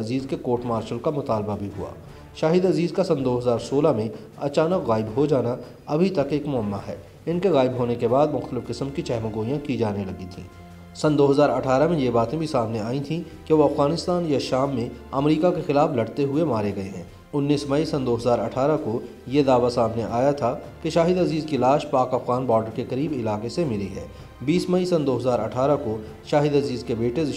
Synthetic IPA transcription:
ɐziːzkekoːɾʈmaːɾʃəlkamʊt̪aːlbabʱiɦʊa̰ː | ʃaːɦɪd̪ɐziːzkasɐ̃nd̪oːɦɐzaːɾsoːlamẽ | ɐt͡ʃaːnəkɣaːɪbɦod͡ʒaːna | ɐbʱit̪ɐkeːkmʊəmːaɦɛ̰ː | ɪnkeɣaːɪbɦoːnekebaːd̪mʊxt̪əlɪfqɪsəmkit͡ʃɛɦməɡoːijãkid͡ʒaːnelɐɡit̪ʰḭ̃ː | sɐnd̪oːɦɐzaːɾɐʈʰaːɾamẽjebaːt̪ẽbʱisaːmneaːĩt̪ʰĩ | keʋoɐfɣaːnɪst̪aːnjaʃaːmːẽɐmɾiːkakexɪlaːflɐɽt̪eɦʊemaːɾeɡɐeɦɛ̃ː | ʊnːiːsmɐisɐ̃nd̪oːɦɐzaːɾɐ̰ʈʰaːɾako | jed̪aːʋasaːmneʔaːjat̪ʰakeʃaːɦɪd̪ɐziːzkilaːʃpaːkɐfɣaːnbɔːɾɖəɾkekɐɾiːbɪlaːkesemɪliɦɛ̰ː | biːsmɐisɐ̃nd̪oːɦɐzaːɾɐʈʰaːɾako | ʃaːɦɪd̪ɐziːzkebeːʈeɪ

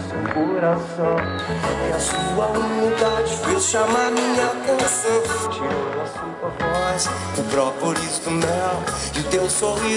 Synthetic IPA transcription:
sewkoɾasɐ̃w̃ | iɐsuɐunid̪ad͡ʒɪfeʃamaɾmĩɲɐt̪ẽsɐ̃w̃t͡ʃiod̪ɐsuɐpas | ʊpɾɔkoɾist̪ʊmɛw | d͡ʒɪt̪ew̃sohi

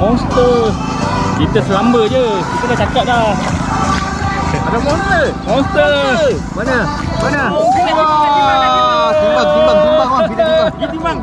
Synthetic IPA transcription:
mɔnst̪ə | kit̪əsəlambəd͡ʒəkit̪ədat͡ʃakat̪̚la | adamɔ̃nsə | mɔnst̪ə | bənə | bənə | kit̪umaŋ

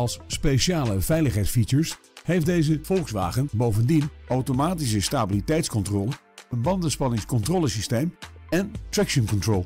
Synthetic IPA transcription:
ɑlˠsːpeʃaːləvɛjləχɦɛjtsfit͡ʃəɹs | hejfdejzəv̥ɔlˠχsʋa̰ːχənbowvəndinawtomaːtis̬əstaːbilitɛjtskɔntrɔːlə | ənbɑndənspɑnɪŋskɔntrɔːləsistejmɛntɹɛkʃənkɔntroːlˠ

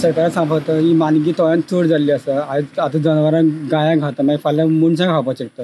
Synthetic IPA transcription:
səɾkaɾasãmbʱət̪əɦimanɡiːt̪ɔjãnt̪ʰuɽd͡zaliːəsəad͡zat̪əd͡zənʋəɾãɡãjãɡʱat̪əmafalãmuɳt͡ɕãɡʱapat͡ɕekt̪ə

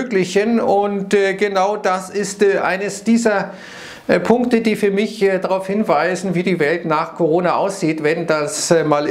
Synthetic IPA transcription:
øːklɪçənʊntːɡənaʊdasɪstːʔa̰ɪnəsd̥iːzɐ | pʰʊŋktədiːfyːɐmɪçdaʁaʊfhɪnvaɪzn̩viːdiːvɛltnaːχkʰoʁ̞oːnaʔaʊsz̥iːtv̥ɛndasmaːl

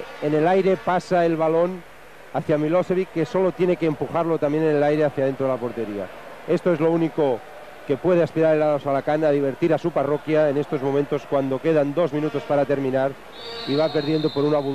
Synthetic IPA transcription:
enelajɾepasaelβalo̞n | aθjamiloseβikeso̞lo̞t̪jene̞keːmpuxaɾlo̞t̪amje̞nenelajɾeaθjaðent̪ɾoðelapo̞ɾt̪eɾia̰ | e̞st̪oezlo̞uniko | ke̞pwe̞ðeaspiɾaɾelaðosalakanað̞iβ̞eɾt̪iɾasuparokjaene̞st̪o̞zmo̞ment̪o̞skwand̪o̞ke̞ðand̪o̞zmĩnut̪o̞spaɾat̪eɾmĩnaɾ | iβ̞ape̞ɾðje̞nd̪opo̞ɾunaβu

